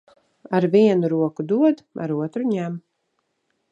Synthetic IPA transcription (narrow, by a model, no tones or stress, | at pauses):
aɾviɛnuɾuɔkud̪uɔd̪a̰ɾuɔt̪ɾuɲæm